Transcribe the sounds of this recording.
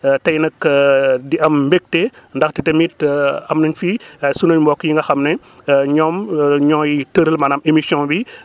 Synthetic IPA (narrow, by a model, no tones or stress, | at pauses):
tɐjnɐkdiɐmːbek̚tɛndɐxtitɐmitɐmnɐɲfisunɐɲmbɔːkːjiŋɡɐxɐmnɛ | ɲɔmɲɔːjitəɾəlmɐnɐmemisiɔ̃bi